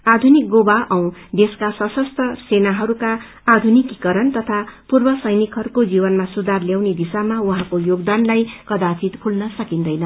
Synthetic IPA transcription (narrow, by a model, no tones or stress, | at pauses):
ad̪ʱunik̚ɡobaʔʌw̃d̪eskasʌsʌst̪ʰʌsenaɦʌɾukaː | d̪ʱunikikʌɾʌnt̪ʌt̪ʰapurbʌsʌjnikɦʌɾukod͡zibʌnmasud̪arljawned̪isamauɦãkojoɡd̪anlajkʌd̪apʰit̪pʰulnʌsʌkind̪ʌjnʌ